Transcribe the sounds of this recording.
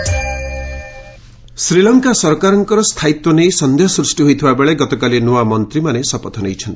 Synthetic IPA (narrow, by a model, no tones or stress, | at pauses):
sɾilɔŋkasɔɾkaɾɔŋkɔɾɔst̪ʰait̪wɔnejsʌnd̪ʱeɦsɾusʈiɦojt̪ʰibabeɭeɡɔt̪ɔkalinowamʌnt̪ɾimanesʌpɔt̪ʰɔnejt͡ʃʰʌnt̪i̥